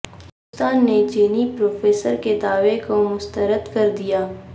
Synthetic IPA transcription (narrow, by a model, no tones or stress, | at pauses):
ʊst̪aːnːed͡ʒeːnipɾoːfeːsəɾked̪aːʋekomʊst̪əɾəd̪kɐɾd̪ijaː